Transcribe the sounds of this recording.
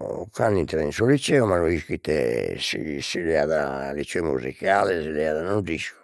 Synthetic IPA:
kanint̪ɾainsulit͡ʃɛɔmanuiskit̪ɛ̰sḭsilɛaðalit͡ʃɔmṵzḭkalɛsilɛaðanund̪isku̥

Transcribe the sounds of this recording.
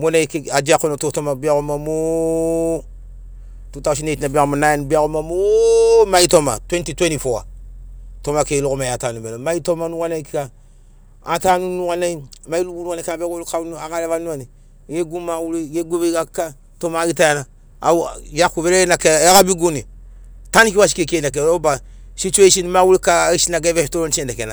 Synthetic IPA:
monakead͡ʒakunototomabiakumamo | tutawʃ̬inetinabiakumanajenbiakumamomaitoma̰twẽntitwenifowa̰ | tomakelokomajatanumenomaitomanukanaikika | atanunuɣanamailubunuwanekabeɡolkanuaɡalevanuani | ɡeɡumawuliɡeɡubekaka | tomaɡitajana | a̰jakuvelenakejakabiɡunitanikiwas̬i̥kekenak̬eloba | sit͡ʃeisinmawulikaiʃinaɡevestoɾont͡ʃendakena

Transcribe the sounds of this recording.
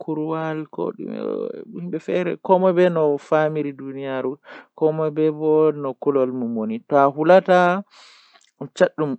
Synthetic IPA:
kʰuɾwalko̰ɗṵm̰himbɛfɛɾɛ̰kɔmɔbɛnɔfamiɾidunijaɾukɔmɔbɛbɔnɔkulɔlmumonitɔaɦulata | t͡ʃaɗːum

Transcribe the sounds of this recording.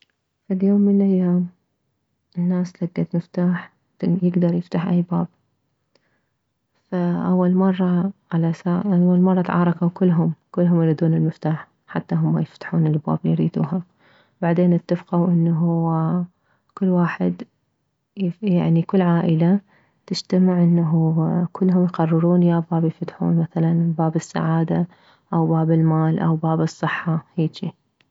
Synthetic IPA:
faljoːmːɪnʔajːaːm | ʔɪnːaːslaɡ̪ːat̪mɪft̪aːħ | jɪɡd̪ɑɾˤjɪft̪aħʔajbaːb̚ | faʔawːalmɑrˤːɑʕalasaawːalmɑrˤːɑt̪ʕɑ̰ːɾˤɑkawkʊlːɦʊmkʊlːɦʊmjɾiːd̪uːnɪlmɪft̪aːħ | ħat̪ːaɦʊmːajɪft̪ḁħuːnɪlba̰ːblijɾiːd̪ṵːɦa | baʕd̪eːnʔɪt̪ːafqawʔɪnːaɦu | kʊlːwaːħɪd̪ | jaʕnikʊlːʕaːʔɪla | t̪ɪʃt̪amɪʕʔɪnːaɦukʰʊlːɦʊmjqɑrˤːɨɾuːnjabaːbjfat̪ħṵːnmaθalanbaːbɪsːa̰ʕaːd̪a | ʔawbaːbɪlmaːlʔawbaːbɨsˤːɨħːɑheːʃi

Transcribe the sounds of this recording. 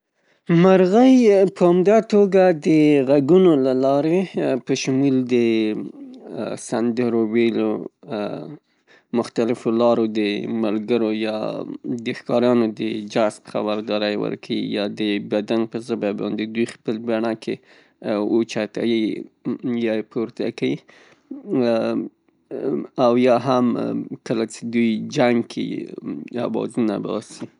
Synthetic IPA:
maɾɣəjpəamd̪at̪oɡad̪əɣaɡunolalɑɾepəʃʊmuld̪ə | sand̪əɾowelo | mʊxt̪alɪfolɑɾod̪əmalɡəɾojɑ̰d̪əxkɑɾɑnod̪əd͡ʒaspə̥xa̰baɾd̪ɑɾajwə̰ɾkʰawḭjɑd̪əbad̪anpəzəbabɑ̰nd̪ed̪ujxpəlbaɳakʰe | ot͡ʃat̪a̰wi | jɑpʰoɾt̪akawi | awjɑɦamkəlat͡ʃed̪ujd͡ʒaŋɡkʰḛ | a̰wɑ̰zuna̰bɑ̰si

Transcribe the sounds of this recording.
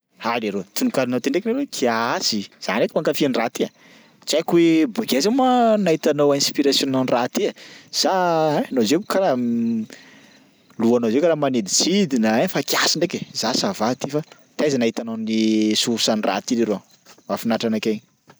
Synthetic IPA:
haleɾot̪unukaɾinowt̪eɳɖ͡ʐeknaɾekʰiasiz̥a̰nekimaŋkafianirat̪ia | t͡sakuwebuɡazemanait̪anowinspiɾasjonananrat̪iaz̥aanozeukaɾa | luanozewkaɾamaned̪it͡sid̪inaafakiasiɳɖ͡ʐekezasavat̪ifa | t̪ajzanaɦit̪anonisuɾusanira̰t̪iɾiɾo | mafinaʈ͡ʂanakeɲi

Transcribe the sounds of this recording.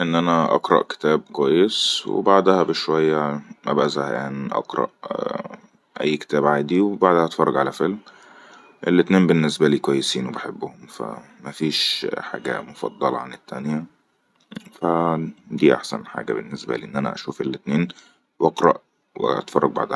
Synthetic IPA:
ʔenːʔænæʔɑ̰qɾˤɑ̰ʔke̥t̪æːb̚kwæjːeswḛbaʕd̪hæbeʃwæjːæmʔæ̰bæʔæzæhʔæːniʔɑ̰qɾˤɑ̰ʔ | ʔæ̰jːke̥t̪æːbʕaːd̪iwebaʕd̪æhæʔɑt̪fɑrˤːɑɡʕalæfelm | ʔḛlːet̪neːmbenːesbæliːkwæjːesiːnwebaħebːʊhʊmfæ̰ | mæfiːʃħa̰ːɡæ̰mofɑ̰d̪ˤːɑlʕanet̪ːænjæ | fæd̪iːʔa̰ħsæ̰nħa̰ːɡæ̰bḛnːesbæ̰lḭːʔenːʔænæ̰ʔæ̰ʃuːfelːet̪neːn | wʔɑqɾˤɑʔ | w̰ʔɑ̰t̪fɑrˤːɑɡ̚ba̰ʕd̪

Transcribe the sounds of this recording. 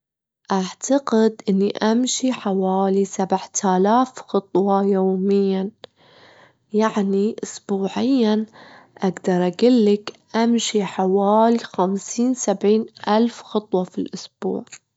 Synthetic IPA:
ʔaʕt̪ʰaqɪd̪ʔɪnːiʔamʃiħawaːlisabʕt̪ʰaːlaːfxɨt̪ˤwɑjoːmɪjːa | jaʕniʔʊsbuːʕɪjːan | ʔaɡd̪ɑɾˤʔaɡɪlːɪkʔamʃiħawaːlixamsiːnsabʕiːnʔalfxɨt̪ˤwɑfilʔʊsb̥ṵːʕ

